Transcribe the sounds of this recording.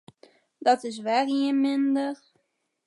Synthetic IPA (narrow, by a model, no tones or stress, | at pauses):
dɔtɪs̬ʋɛriənmɪndər